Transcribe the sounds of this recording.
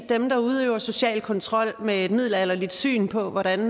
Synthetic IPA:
d̥emd̥ɑ̈uð̞ˠøːʊɐso̝ɕɛ̰ːl̚kʰɒ̽nt͡sʰʁɒ̽l̰mee̝d̥mið̞̰ˠlɐelɐlid̥sy̰ːnpʰɒ̽ʋɒɾ̥æn

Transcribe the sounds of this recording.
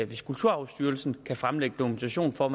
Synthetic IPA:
æʋe̝skʰult͡sʰuɐ̰ɑ̈ʊsd̥yːɐlsn̩kʰæfʁamleɡ̥əd̥okument͡sʰæɕo̝̰ːnfɒːm

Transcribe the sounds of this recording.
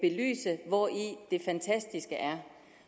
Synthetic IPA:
b̥e̝ly̰ːsəʋɒid̥e̝fænt͡sʰæsd̥isɡ̥əʔæɐ

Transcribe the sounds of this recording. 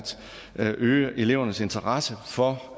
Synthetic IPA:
d̥ | ʔøːəʔe̝le̝ʊ̰ɐnəse̝nt͡sʰɐʁɑ̈səfɒ̽

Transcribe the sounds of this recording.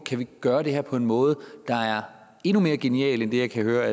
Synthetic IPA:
kʰæʋiɡ̥ɶːɐɾ̥e̝ɦeɐpʰɒ̽e̝nmɔ̽ːð̞̩ˠəd̥ɑ̈æɐ | e̝nume̝ːɐɡ̥e̝niɛ̰ːlend̥e̝jɑ̈ɪkʰæhøːɐ

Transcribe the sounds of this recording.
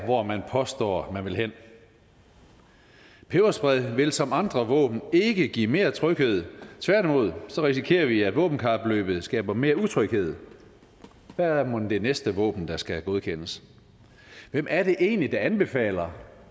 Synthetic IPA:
ʋɒmænpʰɒ̽sd̥ɒ̰ːmænʋe̝lɦen̰ | pʰeʊɐsb̥ʁɛðˠʋe̝lsɒ̽mɑ̈nd̥ʁɐʋɔ̰̽ːb̥n̩e̝ɡ̥əɡ̥ḭːme̝ːɐt͡sʰʁœɡ̥he̝ð̞̰ˠt͡sʰʋæɐd̥imo̝ð̞̰ˠsɒ̽ʁisikʰe̝̰ːɐʋiæd̥ʋɔ̰̽ːb̥n̩kʰɑ̈b̥lø̰ːb̥ð̩ˠsɡ̥ɛ̰ːb̥ɐme̝ːɐut͡sʰʁœɡ̥he̝ð̞̰ˠ | ʋæmod̥e̝nesd̥əʋɔ̰̽ːb̥n̩d̥ɑ̈sɡ̥æɡ̥o̝ð̞ˠkʰen̰əs | ʋemʔæɐɾe̝ʔe̝ːnlid̥ɑ̈ænb̥e̝fɛ̰ːlɐ

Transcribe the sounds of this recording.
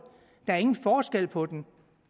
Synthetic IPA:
d̥ɑ̈æɐe̝ŋn̩fɒːsɡ̥el̰pʰɒ̽d̥en

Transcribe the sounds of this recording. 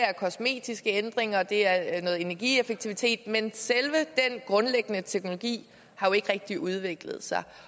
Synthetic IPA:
æɐkʰɒ̽sme̝̰ːd̥isɡ̥əend̥ʁeŋɐd̥e̝æɐnɔ̽ːð̩ˠe̝næɐɡ̥ḭːefəɡ̥̚t͡sʰiʋit͡sʰe̝̰ːd̥̚menselʋəd̥enɡ̥ʁɔ̽nleɡ̥ənət͡sʰeɡ̥no̝lo̝ɡ̥ḭː | hɑ̈jo̝e̝ɡ̥ʁeɡ̥̚d̥iʔuð̞ˠʋe̝ɡ̥lð̩ˠsɑ̈ɪ

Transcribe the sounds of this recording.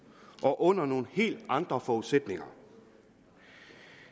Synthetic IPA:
ʔɒ̽ʔɔ̽n̰ɐno̝ːn̩he̝̰ːld̥ɑ̈nd̥ʁɐfɒuðˠsed̥ne̝ŋɐ

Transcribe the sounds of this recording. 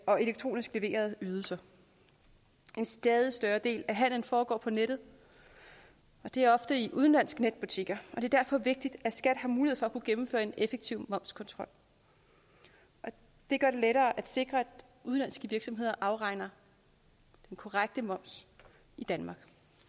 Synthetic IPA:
ɒ̽e̝leɡ̥̚t͡sʰʁo̝̰ːnisɡ̥le̝ʋe̝̰ːɐð̞̩ˠyːð̞ˠl̩sɐ | ʔe̝nsd̥ɛːð̞ˠisd̥ɶːɐd̥e̝̰ːlæɦæn̰ln̩fɒːɡ̥ɒ̰ːpʰɒ̽neɾ̥ð̞̩ˠ | ɒ̽d̥e̝æɐɒ̽fd̥əiʔuðˠn̩læn̰sɡ̥ned̥b̥ut͡sʰiɡ̥ɐʔɒd̥e̝ɐd̥æɐfɒ̽ʋe̝ɡ̥̚d̥id̥æ̥sɡ̥æd̥hɑ̈muːlihe̝ð̩̰ˠfɒækʰuɡ̥emm̩fø̰ːɐe̝nefeɡ̥̚t͡sʰiʊ̰mɒ̽m̰skʰɒ̽nt͡sʰʁɒ̽l̰ | ʔɒ̽ | d̥e̝ɡ̥ɶɐɾ̥e̝leɾɐːʔæd̥se̝ɡ̥ʁɐæd̥ | uð̞ˠnlæn̰sɡ̥əʋiɐɡ̥sɒ̽me̝ð̰ˠɐʔɑ̈ʊʁɑ̈ɪ̰nɐ | d̥enkʰɒʁäɡ̥̚d̥əmɒ̽m̰s | id̥ænmɑ̈ːɡ̥

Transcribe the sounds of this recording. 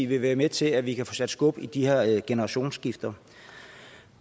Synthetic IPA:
iʋe̝ʋæːɐmet͡sʰe̝læʋikʰæfɔːsæd̥sɡ̥ɔ̽b̥id̥iheɐɡ̥enəɐʁɑ̈ɕo̝̰ːnsɡ̥ifd̥ɐ

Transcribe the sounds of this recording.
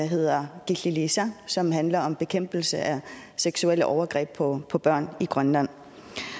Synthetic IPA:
ɦe̝ð̞̰ˠɐɡ̥ililisæsɒ̽mɦænlɐɒ̽mb̥e̝kʰem̰b̥l̩səʔæ | seɡ̥suel̰əʔɒʊɐɡ̥ʁɛ̰ːb̥̚pʰɒpʰɒ̽b̥ɶɐ̰niɡ̥ʁɶnlæn̰

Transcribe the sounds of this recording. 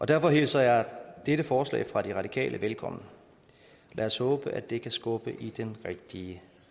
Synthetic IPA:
ʔɒ̽d̥æɐfɒ̽ɦe̝ːsɐjɑ̈ɪd̥eɾəfɒːslɛ̰ːɪfʁɑ̈d̥iʁɑ̈d̥ikʰɛ̰ːlʔəʋelkʰɒ̽m̰nə | lʔæɒshɔ̽ːb̥əʔæd̥e̝kʰæsɡ̥ɔ̽b̥əʔid̥enʁeɡ̥̚d̥iə

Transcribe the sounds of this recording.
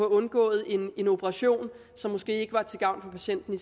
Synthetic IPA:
ɔɔ̽nɡ̥ɔ̰̽ːð̞̩ˠe̝ne̝no̝pʰəʁɑ̈ɕo̝̰ːn | sɒ̽mːɔ̽sɡ̥e̝̰ːe̝ɡ̥əʋɑ̈t͡sʰe̝ɡ̥ɑ̈ʊ̰nfɒ̽pʰæɕen̰d̥n̩i

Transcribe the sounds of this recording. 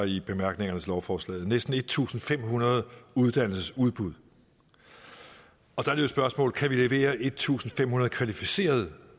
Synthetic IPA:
ib̥e̝mæɐɡ̥ne̝ŋɐnəslɒʊfɒːslɛ̰ːð̩ˠnesd̥n̩e̝d̥̚t͡sʰṵːsn̩fem̰ɦunɐð̞̩ˠuð̞ˠd̥æn̰l̩səsuð̞ˠb̥uð̞ˠ | ɒ̽d̥ɑ̈josb̥ɶɐsmɔ̰̽ːlkʰæʋile̝ʋe̝̰ːɐʔe̝d̥̚t͡sʰṵːsn̩fem̰hunɐð̞̩ˠkʰʋælifise̝̰ːɐð̞ˠ

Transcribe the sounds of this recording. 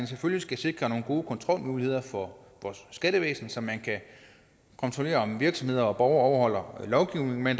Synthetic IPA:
nsefølisɡ̥æse̝ɡ̥ʁɐno̝ːnɡ̥o̝ːkʰɒ̽nt͡sʰʁɒ̽l̰muːlihe̝ð̞̰ˠɐfɒ̽ | ʋɒːsːɡ̥æɾ̥əʋḛːsn̩sɒ̽mænkʰæ | kʰɒ̽nt͡sʰʁo̝le̝̰ːɐɒ̽mʋiɐɡ̥sɒmhe̝ð̞̰ˠɐɒ̽b̥ɒʊɐɒʊɐhɒ̽l̰ɐlɒʊɡ̥iʊ̰ne̝ŋ̩men

